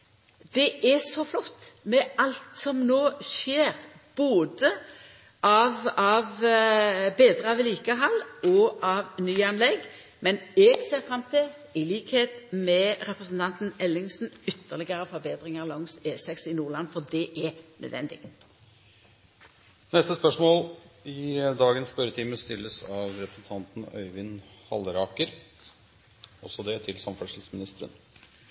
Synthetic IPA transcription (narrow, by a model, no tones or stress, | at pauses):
d̪ɛʔɛsɔflɔt̪ːmɛɑlt̪sɔmnoːʃeːɾ | b̥oːd̪ə | ʔɑʋɑʋ | beːd̪ɾəɑʋɛliːkəɦɑlːɔʔɑʋnyːɑnlɛɡ | mɛnɛːɡseːɾfɾɑmt̪ʰɪl | ɪliːkheːt̪mɛʁɛpɾɛsn̩t̪ʰɑnt̪n̩ɛlːɪŋsn̩ʏt̪ːəʁlɪɡəɾəfɔɾbeːd̪ɾɪŋəʁlɑŋseːsɛksɪnuːʁɭɑnfɔd̪ɛʔɛnʔœ̰d̪ʋɛ̰nd̪ɪ̰ɡ | nɛst̪əspœʂmoːlɪd̪ɑːɡənsbœɾət̪ʰiːməst̪ɪlːəsɑʋɾɛpɾəsn̩t̪ʰɑnt̪n̩œ̰ʏʋɪnhɑ̰lɾɑːkəɾ | ɔsɔd̪ɛt̪ʰɪlsɑmfœʂəl̩smɪnɪst̪əɾə̰n